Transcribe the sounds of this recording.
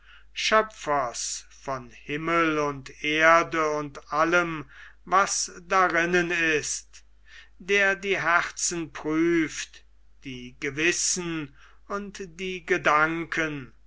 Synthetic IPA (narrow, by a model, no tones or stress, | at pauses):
ʃœpfɐs | fɔnhɪməlʊntʔeɐdəʊntʔaləmvasd̥aʁɪnənɪst | d̥eːɐdiːɦɛχtsn̩pʁyːft | d̥iːɡəvɪsn̩ | ʊntd̥iːɡədaŋkʰən